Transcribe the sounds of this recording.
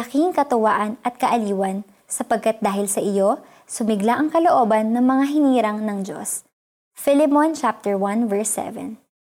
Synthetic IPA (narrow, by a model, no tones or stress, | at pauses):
ɐkiŋkɐt̪ʊwaʔɐnʔɐt̪̚kɐʔɐliːwɐn | sɐpɐɡ̚kat̪̚d̪aːhɪlsɐʔɪjo̞ | sʊmɪɡlaʔɐŋkɐloʔo̞ːbɐnːɐŋmɐŋaɦɪniːɾɐŋnɐŋd͡ʒo̞̰s | fɪlɪmont͡ʃap̚t̪ɛɹwɐ̃nvɛɹsːɛ̰vɛ̰n